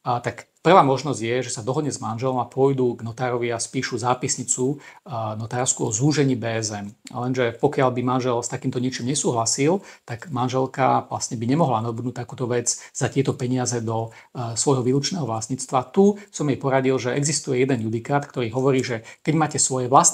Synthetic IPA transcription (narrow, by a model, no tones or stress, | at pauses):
t̪akpr̩ʋaːmɔʒnɔzɟjɛʒɛsad̪ɔɦɔd̪ɲɛzmanʒɛlɔmapʊɔjd̪uɡnɔt̪aːɾɔʋiaspiːʃuzaːpisɲit͡sunɔt̪aːɾskuɔzuʒɛɲiːbɛːɛzɛnlɛnʒɛpɔkɪalbimanʒɛlst̪akiːmt̪ɔɲɪɛt͡ʃimɲɛsuːɦlasilt̪aɡmanʒɛlkaʋla̰st̪ɲɛbiɲɛmɔɦlanabud̪nuːt̪akuːt̪ɔʋɛd͡zz̥at̪ɪɛt̪ɔpɛɲɪazɛd̪ɔ | sʋɔjɦɔʋiːlut͡ʃnɛːɦɔʋlast̪ɲiːt͡st̪ʋat̪usɔmjɛjpɔɾaɟilʒɛɛɡzist̪ujɛjɛd̪ɛnjud̪ikaːt̪kt̪ɔɾiːɦɔʋɔɾiːʒɛkɛɟmaːcɛsʋɔjɛʋlas